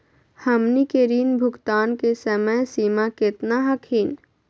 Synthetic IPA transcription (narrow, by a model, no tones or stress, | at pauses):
həmnikeɾiːnbʱʊɡt̪aːnkesəməsiːmakɪt̪naɦəkʰiːn